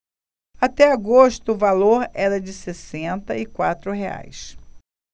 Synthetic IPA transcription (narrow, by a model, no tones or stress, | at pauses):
at̪ɛaɡoʃt̪ʊːvaloɾɛɾɐd͡ʒɪsesẽnt̪ɐɪkwat̪ɾʊɦea̰js